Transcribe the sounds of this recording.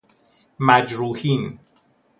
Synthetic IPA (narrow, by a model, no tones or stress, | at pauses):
mæd͡ʒɾuːhiːn